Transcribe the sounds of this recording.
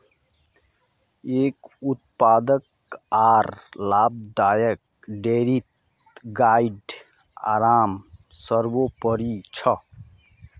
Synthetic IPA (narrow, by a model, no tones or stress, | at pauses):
eːkut̪̚paːd̪ək | aːɾlaːb̚d̪aːjək̚ | ɖeɾit̪ | ɡaiɖ | a̰ːɾaːm | səɾbopəɾit͡ʃʰʌ